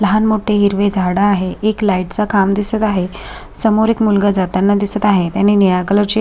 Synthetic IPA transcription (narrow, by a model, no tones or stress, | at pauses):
ləɦanmoʈʰeɦiɾʋed͡zʱaɽaːɦeʔeklaiʈ̚t͡sakʰamd̪isət̪aɦe | səmoɾekmulɡad͡zat̪anːad̪isət̪aɦet̪janːinijaɡələɾt͡ɕe